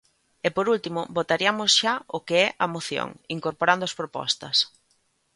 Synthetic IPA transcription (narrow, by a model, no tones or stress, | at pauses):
epoɾult̪imʊbot̪aɾiɐmosʃaʊkeɛʔɐmoθjo̰ŋiŋkoɾpoɾand̪ʊɐspɾopɔ̰st̪ɐs